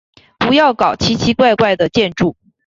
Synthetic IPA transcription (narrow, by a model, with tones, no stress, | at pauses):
pu˧˥jɑ˥˩ʊkɑ˨˩ʊt͡ɕʰi˧˥t͡ɕʰi˧˥kwa˥˧ɪkwa˥˩ɪd̪ə˩t͡ɕjɛ˥˧nʈ͡ʂu˥˩